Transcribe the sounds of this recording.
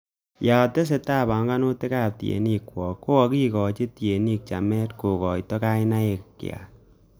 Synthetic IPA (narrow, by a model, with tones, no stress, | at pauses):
ja˨te˦s̬e˨taː˦˨ba˨ŋɡa˦no˦te˦ka˦˨p̚ti˨ḛ˨ni˦kwɔ˨kːo˦ɔ˨˧ki˦kɔ˨t͡ʃe˦ti˨e˨ni˦k̚t͡ʃa̰˨mɛ˦tko˨kɔ˨jtɔ˦ka˦i˦na˦e˨kkj̰a̰˨